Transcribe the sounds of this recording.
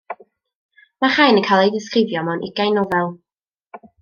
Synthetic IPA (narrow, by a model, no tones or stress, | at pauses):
maχajnənkʰajlˠejdɪskrɪvjɔmanʔɪɡ̥ajnɔvɛlˠ